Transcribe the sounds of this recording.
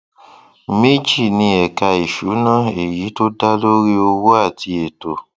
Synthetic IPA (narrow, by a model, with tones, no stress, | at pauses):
me˦d͡ʒi˦˨nĩ˧ɛ˨ka˧i˨ʃu˨˦nã˦˨e˨ji˨˦to˦da˦lo˦ɾi˦o˧wo˦a˦˨ti˧e˨to˨